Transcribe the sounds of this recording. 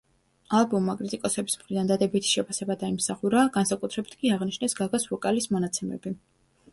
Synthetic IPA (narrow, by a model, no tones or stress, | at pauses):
alˠbɔmːakʼɾit̪ʼikʼɔsɛbismχɾid̪and̪ad̪ɛbit̪ʰi̥ʃɛpʰasɛbad̪aimsaχuɾaɡansakʼut̪ʰɾɛbit̪ʰkʼiaʁniʃnɛsɡaɡasvɔkʼalismɔnat̪sʰɛmɛ̰bi